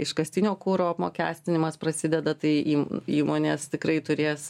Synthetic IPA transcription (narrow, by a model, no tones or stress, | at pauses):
ɪʃkɐsʲt̪ʲɪnʲoːkuːɾoːɐpmo̰ːkʲæ̰ːsʲt̪ʲɪnʲɪmɐspɾɐsʲɪd̪ʲɛd̪ɐt̪ɐɪiːmiːmoːnʲeːst̪ʲɪkɾɐɪt̪ʊɾʲeːs